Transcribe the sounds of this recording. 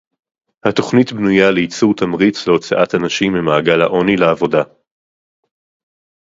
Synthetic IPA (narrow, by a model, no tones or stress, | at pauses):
hato̞χnitbnujaleit͡suʁt̪amʁit͡sleo̞t͡saʔathanaʃimbemaːɡalha̰ʔo̞nileavo̞da